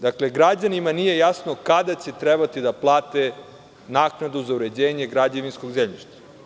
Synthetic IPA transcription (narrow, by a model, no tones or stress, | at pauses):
d̪akle̞ɡɾad͡ʑanimanije̞jasno̞kad̪at͡ɕe̞t̪ɾebat̪id̪aplˠaːt̪e | naːknad̪uzauɾe̞d͡ʑeːɲe̞ɡɾad͡ʑeʋinsko̞ɡzemʎiʃt̪ḁ